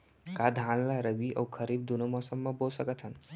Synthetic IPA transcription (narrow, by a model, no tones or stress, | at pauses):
kad̪ʱãːnlaɾəbiʔɐ̰wkʰəɾiːb̚d̪unomɔːsəmːɐbolsəkət̪ʰɦən